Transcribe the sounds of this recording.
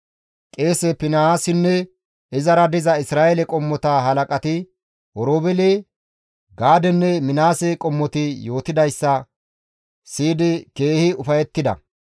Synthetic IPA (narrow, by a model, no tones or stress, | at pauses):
kʼe̞ːsɛpɪnɐaːsɪnːɛ | ɪzɐɾɐd̪ɪzɐɪsɾaːjɛlɛkʼɔmːɔt̪aɦɐlɐkʼɐt̪ɪ | ɔɾoːbɛleː | ɡaːd̪ɛnːɛmɪnaːsɛkʼɔmːɔt̪ɪjo̞ːt̪ɪd̪ɐjsːɐ | siːd̪ɪke̞ːhɪʊfɐjɛt̪ːɪd̪ɐ̰